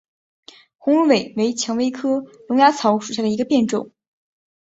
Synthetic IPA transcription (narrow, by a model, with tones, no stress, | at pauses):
xʊ˧˥ŋ˥we˨˩ɪwe˧˥ɪt͡ɕʰjɑ˧˥ŋwe˥ɪkʰɤ˥lʊ˧˥ŋja˧˥t͡sʰɑ˧˥ʊʂu˨˩ɕ̬ja˥˩d̪ə˩i˧˥ɡə˧pjɛ˥˧nʈ͡ʂʊ˨˩˦